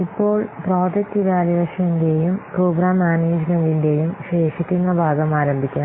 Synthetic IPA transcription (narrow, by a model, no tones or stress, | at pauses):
ipːo̞ːɭproːd͡ʑɐk̚tiʋaːliʋɐʂjɐŋɡejumproːɡraːmːaːneːd͡ʑmɐndiɳɖe̞jumɕeːʂɐt̪ːinːɐbʱaːɡɐmaːɾɐmbʱikʲːaːn